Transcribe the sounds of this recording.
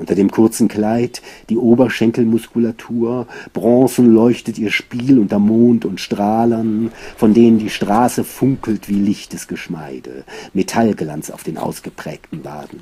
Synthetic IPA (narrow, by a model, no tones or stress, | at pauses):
ʔʊntɐdeːmkʰʊɐt͡sn̩kl̥aɪtd̥iːʔoːbɐʃɛŋkl̩mʊskulatʰuːɐb̥ʁɑ̃ːsn̩lɔʏçtətiːɐʃpiːlʊntɐmoːntʊntʃtʁ̥aːlɐnfɔndeːnəndiːʃtʁ̥aːsəfʊŋkl̩tv̥iːlɪçtəsɡ̥əʃmaɪdə̰metʰalɡlant͡sa̰ʊfd̥eːnʔa̰ʊsɡ̥əpʁ̥ɛ̰ːktn̩va̰ːdn̩